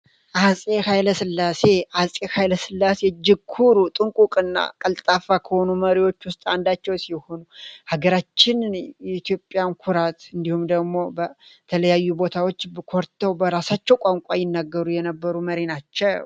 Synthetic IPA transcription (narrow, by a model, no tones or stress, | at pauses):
ʔasʼe̞hajləsɨlːase̞ʔasʼehajləsɨlːased͡ʒɪkʰuɾut̪ʼɨŋkʼukʼɨnːa̰kʼəlt̪ʼafːakʰəho̞numəɾiwo̞t͡ʃːwʊst̪ʼand̪at͡ʃːɛwsiho̞nuhaɡəɾat͡ʃːɪnjɛit̪ʰjo̞pʼːjankʰuɾat̪ɨnd̪ihumd̪əɡmo̞bət̪ʰələjajːubo̞t̪ʰawot͡ʃːbkʰoɾt̪ʰːəwbəɾasat͡ʃːɛwkʷʼaŋkʼajɪnːaɡːəɾujɛnəbːəɾuməɾenat͡ʃːɛw